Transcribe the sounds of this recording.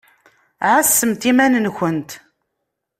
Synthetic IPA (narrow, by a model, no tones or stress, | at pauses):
ʕasːəmt̪imænənçənt̪